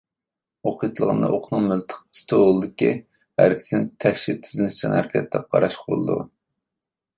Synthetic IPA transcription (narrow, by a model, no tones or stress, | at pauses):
oqʰijt̪ʰɨlˠəʁə̰nd̪ɑ̰ʔoqʰnɨŋmɪlt̪ʰə̥q̚i̥st̪ʰoolˠɨd̪ɪkʲi | hæ̰ɾkʲʰi̥t̪ʰɪnt̪ʰɛhʃit̪ʰːɪ̥znɪt͡ʃʰɑnhæɾkʲʰɛt̪ʰlɛp̚qʰɑ̰ɾɑʃəqbo̰lˠɨ̰d̪ṵ